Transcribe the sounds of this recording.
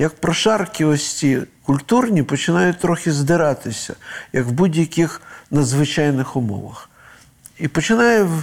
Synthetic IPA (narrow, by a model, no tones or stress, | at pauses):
jɐk̚pɾɔʃɑrkʲɪʋɔsʲtʲikʊlʲt̪urnʲipɔt͡ʃɪnɑjʊt̚ʲt̪ɾɔxʲɪzd̪ɪɾɑt̪ɪsʲɐ̰jɐkwbudʲjɐkʲɪxnɐd̪zʋɪt͡ʃɑjnɪxʊmɔ̰ʋɐ̰x | ipɔt͡ʃɪnɑjɛ